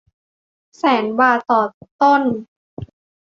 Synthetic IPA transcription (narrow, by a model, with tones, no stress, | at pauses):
sɛː˩˦nwaː˧t̪ɔː˨˩p̚t̪o˥˩˨n